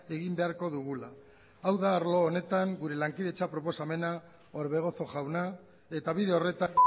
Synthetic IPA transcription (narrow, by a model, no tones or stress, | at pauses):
e̞ɣimbe̞aɾko̞ðuɣulaː | wðaːɾlo̞ːne̞t̪aŋɡuɾe̞laŋkiðe̞t͡ʃapɾo̞po̞same̞na | o̞ɾβe̞ɣ̞o̞so̞ʝawna | e̞t̪aβiðe̞o̞re̞t̪a